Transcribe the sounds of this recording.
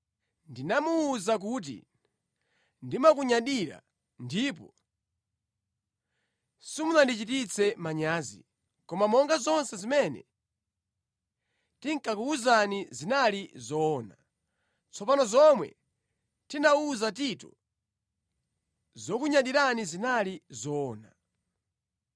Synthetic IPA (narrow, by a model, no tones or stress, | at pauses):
ndinamuːzak̬ut̬ḭ | ndimak̬uɲaɗiɾa̰ | ndip̬ɔ | simunandit͡ʃit̬it͡sʰɛmaɲaːzḭ | kɔmamɔŋɡazɔnsɛzimɛnɛ̰ | tiŋkakuuzanizinalizɔːna | t͡sʰɔpanɔzɔmwɛ̰ | tinauzatitṵ | zɔkuɲaɗiɾanizinalizɔːna